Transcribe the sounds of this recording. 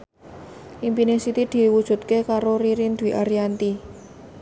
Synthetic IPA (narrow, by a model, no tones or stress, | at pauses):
ʔimpinesit̪id̪̥i̤wud̥ʒ̥ṳt̪̚kekaɾoɾiɾind̪wiʔaɾiant̪i